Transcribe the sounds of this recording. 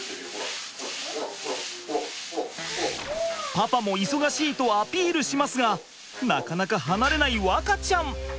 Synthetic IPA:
papamo̞iso̞ɡaɕiːt̪o̞apʲiːɾɯ̟ɕimasɨɡa | na̰kanakaɦanaɾe̞naiβakat͡ɕãɴ

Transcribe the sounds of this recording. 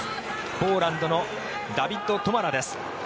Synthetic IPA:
po̞ːɾãnd̪o̞no̞ | d̪abʲit̪ːo̞t̪o̞maɾad̪e̞sɨ̥

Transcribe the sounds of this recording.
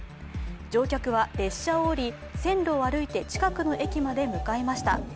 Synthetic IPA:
d͡ʑo̞ːkʲakɯ̟β̞aɾe̞ɕːaoːɾʲi | sẽ̞nɾo̞ːaɾɯ̟it̪e̞t͡ɕi̥kakɯ̟no̞ʔe̞kʲimad̪e̞mɯ̟kae̞maɕi̥t̪a̰

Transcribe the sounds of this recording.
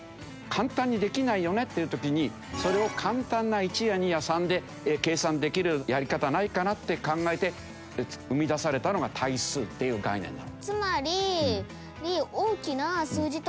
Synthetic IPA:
kʰãnt̪ãɲ̟ːid̪e̞kʲinaijo̞ne̞t̪ːe̞iɯ̟t̪o̞kʲiɲ̟i | so̞ɾe̞o̞kʰãnt̪ãnːait͡ɕijaɲ̟ijasãnd̪e̞ | ke̞ːsãnd̪e̞kʲiɾɯ̟jaɾʲikat̪anaikanat̪ːe̞kãŋɡae̞t̪e̞ | ɯ̟mʲid̪asaɾe̞t̪ano̞ɡat̪ʰaisɨːt̪ːe̞jɯ̟ːɡa̰inẽ̞̰nːa̰not͡sɨmaɾʲi | ɾʲioːkʲinasɨːʑit̪

